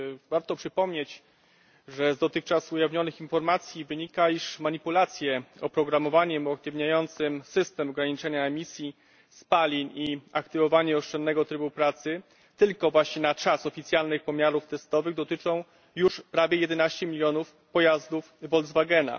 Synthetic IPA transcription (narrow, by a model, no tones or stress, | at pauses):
vaɾt̪ɔpʂɘpɔmɲet͡ɕ | ʐɛzd̪ɔt̪ɘxt͡ʂasujavɲɔnɘxinfɔɾmat̪sʲjivɘɲikaiʂmaɲipulat̪sʲjɛɔpɾɔɡɾamɔvaɲɛmuak̚t̪ɘvɲajɔnt̪sɘmsɘst̪ɛmɔɡɾaɲit͡ʂɛɲaɛmʲisʲji | spalʲiɲiakt̪ɘvɔvaɲɛɔʂt͡ʂɛnːɛɡɔt̪ɾɘbupɾat̪sɘ | t̪ɘlkɔvwaɕɲɛnat͡ʂasɔfʲit̪sʲjalnɘxpɔmʲjaɾuft̪ɛst̪ɔvɘɣd̪ɔt̪ɘt͡ʂɔ̃w̃ | juʂpɾavʲjɛjɛd̪ɛnaɕt͡ɕɛmʲilʲjɔnuf | pɔjazd̪ufvɔlzvaɡɛna̰